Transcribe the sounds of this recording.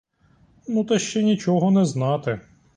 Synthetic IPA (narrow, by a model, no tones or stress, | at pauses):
nut̪ɛʃt͡ʃɛnʲit͡ʃɔɦɔnɛznɑt̪ɪ